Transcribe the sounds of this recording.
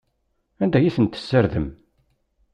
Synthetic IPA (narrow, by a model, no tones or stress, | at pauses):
ænd̪æjiθənt̪ə̥sːəɾðəm